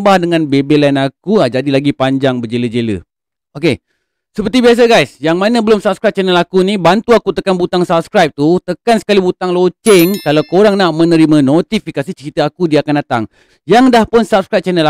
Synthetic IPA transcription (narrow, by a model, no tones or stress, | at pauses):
mbahdəŋãnbebelɛnak̚uad͡ʒadilaɡipaɲd͡ʒaŋbəd͡ʒeləd͡ʒelə̰ | oke | səpərt̪ibias̬aɡajsjaŋmanãbəlʊmsap̚skɾajp̚t͡ʃɛnəlakunĩbant̪uakut̪əkanbut̪aŋsap̚skɾajp̚t̪ut̪əkansə̥kalibut̪aŋlot͡ʃɪŋkalawkoɾaŋnaʔmə̃nəɾimãnot̪ifikasit͡ʃəɾit̪əakudiakandat̪a̰ŋ | jaŋdahpʊnsap̚skɾap̚t͡ʃɛnəla